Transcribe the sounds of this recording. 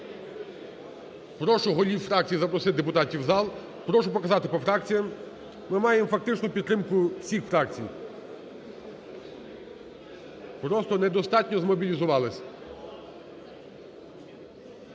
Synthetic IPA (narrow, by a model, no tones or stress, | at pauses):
pɾɔʃʊɦɔlʲiwfɾɑk̚t͡sʲijizɐpɾɔsɪd̪epʊt̪ɑtʲiwzɑlˠ | pɾɔʃʊpɔkɐzɑt̪ɪpɔfɾɑkt͡sʲijɐmː | ɪmɑjemfɐk̚t̪ɪt͡ʃnʊpʲid̪t̪ːɾɪmkʊwsʲixfɾɑkt͡sʲij | pɾɔst̪ɔnɛd̪ɔst̪ɑtʲnʲɔzmɔbʲilʲizʊʋɑlˠɪsʲɐ